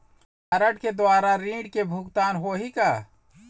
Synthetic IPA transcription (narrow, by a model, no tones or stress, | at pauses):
aɾəʈked̪oaːɾaɾĩːɽkebʱʊɡt̪aːnɦoɦika